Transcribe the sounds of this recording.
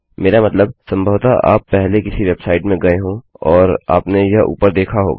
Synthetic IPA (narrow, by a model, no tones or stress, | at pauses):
meːɾamɐt̪ləb̚sɐ̃mbʱəʋt̪aʔa̰ːpːɛɦlekɪsiʋebsaːɪʈmẽɡɐeɦõɔːɾa̰ːpnejɐɦṵːpəɾd̪eːkʰaɦo̰ːɡa